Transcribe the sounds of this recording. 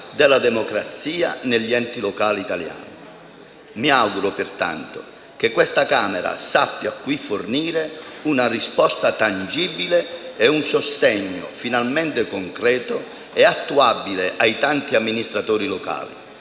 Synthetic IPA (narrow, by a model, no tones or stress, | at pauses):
d̪ɛlad̪ɛmɔkɾat̪sːiːa̰nɛʎːiɛnt̪ilɔkaːliːt̪alja̰ːni | miaɡuɾʊpɪrt̪a̰nt̪ʊ̰ | k̟ekːwɛst̪akaːmɛɾa̰sapːjakːwifːʊrniːɾeunarispɔst̪at̪and͡ʒibileɛunsʊst̪ɛɲːʊ̰finalmɛnt̪ɪkoŋkɾɛːt̪ʊ | ɛat̪ːuabileʔajt̪ant̪iamːinist̪ɾat̪oːɾiloka̰ːlḭ